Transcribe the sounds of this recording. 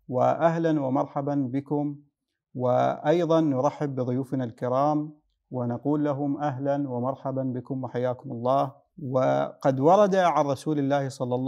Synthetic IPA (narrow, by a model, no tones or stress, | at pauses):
wɪ̰ʔaɦlanwɪmɑɾˤħabanbɪkʊm | wɪʔɑjðˤɑnːʊɾˤɑħːɪbːɪðˤʊjuːfnalkɪɾɑːm | wɪnaquːlːaɦʊmʔaɦlanwamɑɾˤħabanbɪkʊmwaħajːaːkʊmʊlˤːɑːh | wɪqɑd̪wɑɾˤɑd̪aʕanɾˤɑsuːlɪlːaːhsˤɑlːɑlˤː